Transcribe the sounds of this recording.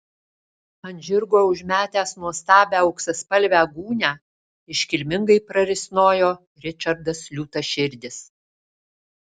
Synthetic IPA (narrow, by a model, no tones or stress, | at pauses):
ɐnʲʒʲɪɾɡoːʊʒʲmʲæːt̪ʲæːsnuɔst̪ɑːbʲæːɐʊksʲɐspɐlʲʋʲæːɡuːnʲæː | ɪʃʲkʲɪlʲmʲɪŋɡɐɪpɾɐɾʲɪsʲnoːjoː | ɾʲɪt͡ʃʲɐɾd̪ɐslʲuːt̪ɐʃʲɪɾʲd̪ʲɪs